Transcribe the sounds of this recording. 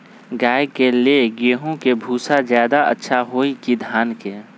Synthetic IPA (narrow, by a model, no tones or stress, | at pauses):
ɡaːjkelieɡeːɦõkebʱuːsazjaːd̪aɐ̰tːʃʰaɦoːikid̪ʱjaːnke